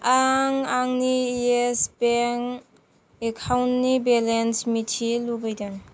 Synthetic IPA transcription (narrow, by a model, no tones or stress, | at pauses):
aŋaŋniespeŋ | ekʰawnːibelensmitʰilubajdaŋ